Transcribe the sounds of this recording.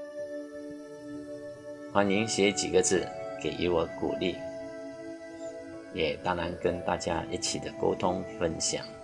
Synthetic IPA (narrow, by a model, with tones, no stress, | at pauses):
xwa˧˥ni˧˥ŋɕjɛ˧˥t͡ɕi˨˩ɡə˦t͡sɹ̩˥˩ke˨˩ɪʔḭ˥wə˧˦kṵ˨˩li˥˩ | jɛ˨˩t̪a˥ŋɻa˧˥nkə˦˥nt̪a̰˥˧t͡ɕja˦i˥˩t͡ɕʰi˨˩d̪ə˦ko̰˥ʊt̪ʰʊ˦ŋfə˥˧nɕja̰˨˩ŋ